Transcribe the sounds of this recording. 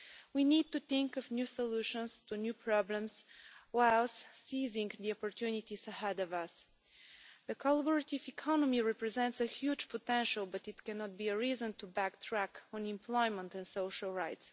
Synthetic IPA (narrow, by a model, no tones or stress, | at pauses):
winid̚tuθɪ̃ŋkɔvnjusɔluʃə̃nstʰunjupʰɹɑblə̃mzwaɪlˠsːizɪ̃ŋðiɔpɔɹtʰjʉnitizəhɛdɔvʌs | ðəkʰɔlabəɹətivɨkʰɑnɔmiɹɛpɹɛzɛ̃ntsəhjud͡ʒpʰɔtɛ̃nʃəlˠbʌtɨtkɛnɔt̚biəɹizə̃ntubæktʰɹækɔ̃nɪ̃mpʰlɔɪmə̃ntɛ̃nsoʊʃəlˠɹaɪts